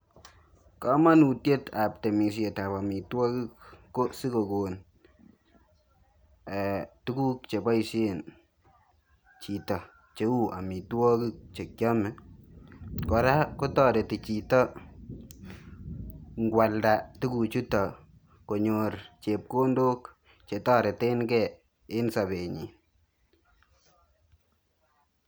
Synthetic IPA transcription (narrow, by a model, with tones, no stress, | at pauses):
ka˦ma˦nu˨tje˦ta˨p̚te˨mi˨s̬je˨ta˨pa˨mi˨twɔ˦ki˦kːo˦si˦ko˨ko˨n | ɛ˨tu˦ku˦kt͡ʃe˨ba˦i˨se˦n | t͡ʃi˨tɔ˨ | t͡ʃe˦wu˦ʔa̰˨mi˨twɔ˦ki˦k̚t͡ʃe˨kjɔ˦mɛ˨ | kɔ˨ɾa˦ko˦tɔ˦˨ɾe˨ti˨t͡ʃi˨tɔ˦ | ŋɡwa˨lda˨tu˦ku˨t͡ʃu˦tɔ˨ | ko˨ɲort͡ʃe˨p̚ko˦ndo˦k | t͡ʃe˨tɔ˦ɾe˨te˦nkɛ˨ | ɪ˦nsa˨βe˨ɲi˨